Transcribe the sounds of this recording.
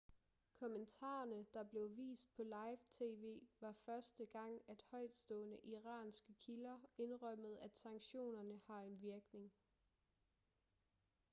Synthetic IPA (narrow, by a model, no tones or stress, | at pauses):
kʰɒ̽mənt͡sʰɑ̰̈ːɐnəd̥ɑ̈b̥le̝ʊʋḭːsd̥̚pʰɒ̽lɑ̈ɪʋt͡sʰe̝̰ːʋe̝̰ːʋɑ̈fɶɐsd̥əɡ̥ɑ̈ŋ̰æd̥hɒ̽ɪd̥sd̥ɔ̰̽ːnəʔiʁɑ̰̈ːnsɡ̥əkʰilɐe̝nʁœm̰əð̞̩ˠæd̥sɑ̈ŋɕo̝̰ːnɐnəhɑ̈e̝nʋiɐɡ̥ne̝ŋ